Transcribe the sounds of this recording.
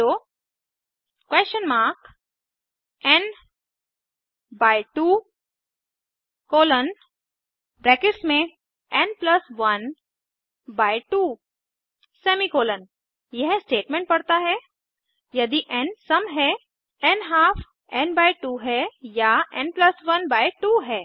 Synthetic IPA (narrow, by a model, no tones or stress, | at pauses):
oː | kweːst͡ʃənmaːɾk | ɛn | baːiʈuː | koːlən | bɾɛːkɪʈsmẽ | ɛnplɐsʋɐn | baːɪʈuː | sɛːmikoːlən | jɐɦsʈeːʈmẽɳʈ̚pɐɽt̪aɦɛ | jɐd̪iʔɛ̃nsɐmɦɛ | ɛnɦaːpʰ | ɛ̃nbaːiʈuːɦɛjaɛ̃nplɐsʋɐnbaːiʈuːɦɛː